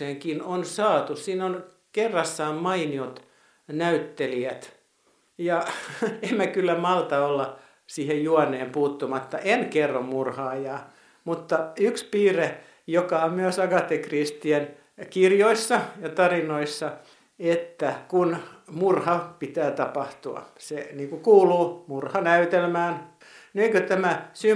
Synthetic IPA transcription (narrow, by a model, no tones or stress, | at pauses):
eŋkinonsɑːt̪ussiːnon | kerːɑsːɑːmmɑiniot̪ | næyt̪ːeliæt̪ | jɑemmækylːæmɑlt̪ɑolːɑ | siːhejjuɑnːˑeːmpuːt̪ːumɑt̪ːɑʔenkerːommurhɑːjɑː | mut̪ːɑykspiːre | jokɑommyøsɑkɑt̪ekrist̪ien | kirjoisːɑjɑt̪ɑrinoisːɑ | et̪ːækunmurhɑpit̪æːt̪ɑpɑht̪uɑ̰seniːŋkukuːluːmurhɑnæyt̪elmæːn | neikøt̪æmæsy